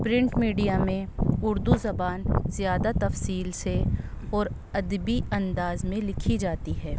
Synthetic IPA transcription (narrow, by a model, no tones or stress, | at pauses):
pɾɪ̃ɳʈmiːɖijamẽʊɾd̪uzɐbaːnzjaːd̪at̪ɐfsiːlseɔːɾ | ɐd̪biɐ̃nd̪aːzmẽlɪkʰid͡ʒaːt̪iɦɛː